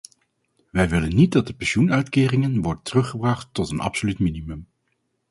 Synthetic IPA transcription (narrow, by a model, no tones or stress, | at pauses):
ʋɛjʋɪlənːit̚dɑt̚dəpɛnʃunœɥtkɪːrɪŋənʋɔɹdəntərɵχəbrɑχtːɔtənɑ̰psolytminimɵm